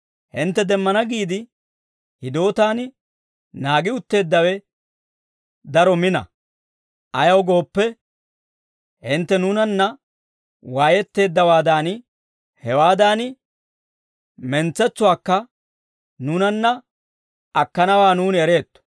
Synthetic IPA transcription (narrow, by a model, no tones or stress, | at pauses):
hɪnt̪ːɛd̪ɛmːɐnɐɡiːd̪ɪ | hɪd̪o̞ːt̪aːnɪ | naːɡɪʊt̪ːe̞ːd̪ːɐwɛ | d̪ɐɾɔmɪnɐ̰ | ʔɐjɐwɡo̞ːpːɛ | hɪnt̪ːɛnʊnɐnːɐ | waːjɛt̪ːe̞ːd̪ːɐwaːd̪aːnɪ | hɛwaːd̪aːnɪ | mɛnt͡sːɛt͡sːʊwaːkːɐ | nʊnɐnːɐ | ɐkːɐnɐwaːnuːnɛɾe̞ːt̪ːɔ̥